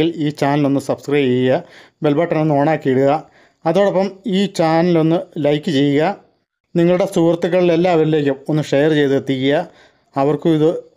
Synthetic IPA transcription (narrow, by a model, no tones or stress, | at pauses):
iliːt͡ɕaːnilo̞nːɨsɐbskrɐjt͡ɕejjɐ | be̞lbʱaːʈːɐnonːoːɳaːkːieɽuɣɐː | ðoːɽopːɐmiːt͡ɕaːnilo̞nːɨlɐjkːɨt͡ɕe̞jːuɣɐ | niŋːɐɭuɽe̞suːrɐt̪ːukːɐɭile̞lːaːɐʋɐɾile̞ːkʲːumo̞nːɨʂejɐrt͡ɕe̞jt̪ɨet̪ːikʲːijɐ | ɐʋɐrkɨiðɨ